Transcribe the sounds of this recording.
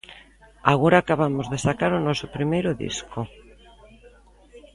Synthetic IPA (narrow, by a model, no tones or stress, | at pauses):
aɣoɾaːkaβamʊzðesakaɾʊnɔsʊpɾimejɾʊðḭskʊ